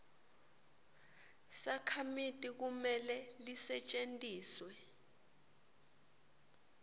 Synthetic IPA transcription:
sakʰamitʼik̬umɛlɛlisɛt͡ʃʼentʼiːswɛ

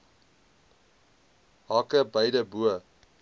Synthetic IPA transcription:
ɦɑkəbɐjdəbuə

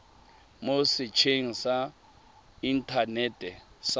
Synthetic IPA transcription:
mosɪt͡ʃʰeŋisa | intʰanɛtʼɛs

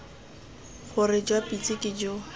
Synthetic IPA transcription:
χʊrɪd͡ʒwapit͡sʼɪkʼɪd͡ʒo

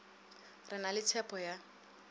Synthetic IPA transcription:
rɪnalɪt͡sʰɛpʰɔja

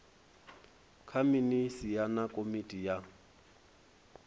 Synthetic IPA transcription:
kʰaminisijanakʼomitʼija

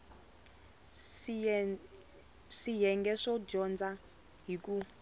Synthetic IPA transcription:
ʂijɛŋɡɛʂɔd͡ʒɔnd͡za | ɦik̬ʼu

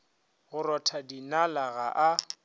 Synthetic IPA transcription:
ɣʊɾɔtʰadinalaɣaʔa

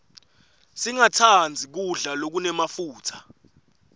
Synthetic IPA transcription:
siŋatʰand͡zʱik̬uɮalok̬unɛmafuːtʰḁ

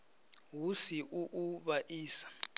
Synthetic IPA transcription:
wusiʔuʔuɓaʔiːsḁ

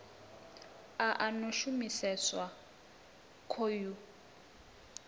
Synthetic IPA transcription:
aʔanɔʃumisɛswa | kʰoju

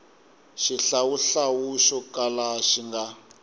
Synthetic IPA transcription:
ʃiɬawuɬawuʃɔkʼalaʃiŋɡa

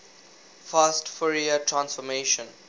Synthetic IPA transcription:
faːsʈfɔɾiəʈɾãnsfɔmeːʃə̃n

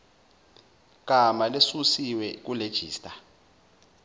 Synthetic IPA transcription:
k̬amalesusiwɛk̬uled̥ʒ̥ʱḭːstʼa

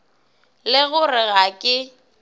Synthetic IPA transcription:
lɪɣʊrɪɣakʼɪ

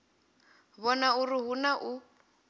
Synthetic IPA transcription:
βɔnaurɪɦunaʔu

